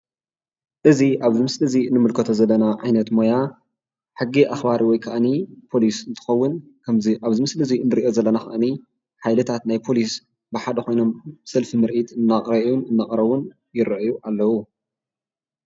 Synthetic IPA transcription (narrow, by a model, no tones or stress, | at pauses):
ʔɨziʔaβzɨmɨslɨziɨnːɨmɨlkʰɐt̪ʰozɐlːɐnaʕajnɐt̪moja | ħɨɡːiʔaxbaɾiwɔjkʰaʔnipʰo̞lisɨnt̪ʰɨ̥xɐwːʊn | kʰɐmziʔaβzɨmɨslɨziɨnd̪ɨɾiʔo̞zɐlːɐnaxɐʔni | ħajlɨt̪ʰat̪najpʰo̞lis | bɨħad̪ɐxo̞jno̞msɐlfimɨɾʔit̪ʰɨnːakʼɾɐjunɨnːaχʼɾɐβun | jɪɾɐʔjuʔalːɐwu